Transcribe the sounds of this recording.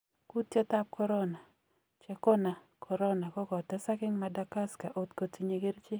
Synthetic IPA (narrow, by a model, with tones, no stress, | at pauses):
ku˦t̪je˦ta˦p̚kʰɔ˦ɾɔ˦na˨ | t͡ʃɛ˨kɔ˦na˨ | kʰɔ˨ɾɔ˦na˨kɔ˦kɔ˨t̪ɛ˦sa˦kɪ˦ŋma˦da˦ka˦ska˨ʔo˨t̪ko˨ti˨ɲe˨ɡe˦ɾt͡ʃɪ˦